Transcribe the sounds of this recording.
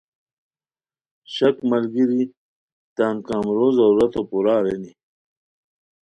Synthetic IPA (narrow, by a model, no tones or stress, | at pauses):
ɕɐkmɐlɡiɾi | t̪aːmkaːmɾoːzɐɾuɾɐt̪opuɾaːɾeni